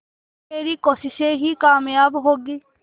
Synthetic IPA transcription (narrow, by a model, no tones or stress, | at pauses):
eːɾikɔʃɪʃeɦikaːmjaːbɦoːɡi